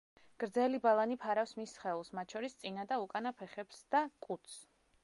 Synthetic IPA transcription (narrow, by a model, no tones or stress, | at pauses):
ɡ̥ɾd̪zɛlibalˠanipʰaɾafsmisχɛlˠsmat̪̚ʰt͡ʃʰɔɾist̪sʼinad̪aukʼanapʰɛχɛpsd̪̥akʼut̪s